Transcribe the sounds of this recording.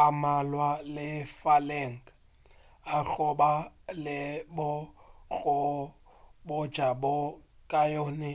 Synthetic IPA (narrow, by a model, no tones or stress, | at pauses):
amalwalɪfaleŋ̩k | ak͡xɔbalɪbʊɣʊ | bʊ̥d͡ʒabʊkʼajonɪ